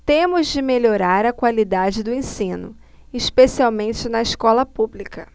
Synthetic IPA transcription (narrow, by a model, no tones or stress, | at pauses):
t̪ẽmʊzd͡ʒɪmeʎoɾaɾɐkwalid̪ad͡ʒɪd̪ʊẽsĩnʊ̰ | ɪspesiawmẽt͡ʃɪnɐɪskɔlɐpublikɐ